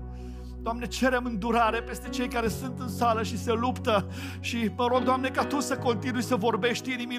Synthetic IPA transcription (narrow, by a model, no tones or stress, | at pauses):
d̪̥oamne̞t͡ʃe̞ɾe̞mɨnd̪uɾaɾe̞pe̞st̪e̞t͡ʃejkaɾe̞sunt̪ɨnsaləʃise̞lupt̪ə | ʃiməɾo̞ɡ̚d̪oamne̞kat̪usəko̞nt̪inujsəvo̞rbe̞ʃt̪ʲinimi